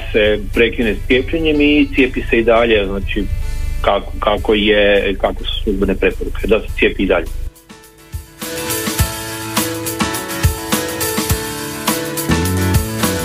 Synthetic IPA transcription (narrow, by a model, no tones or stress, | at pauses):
sepɾe̞kinest̪sjepʎeɲe̞mit̪sjeːpise̞id̪aʎe̞znaːt͡ʃikakkakojekakʋesu̥slˠuzbenepɾe̞poɾukʰe̞d̪aset̪sje̞piːd̪aʎe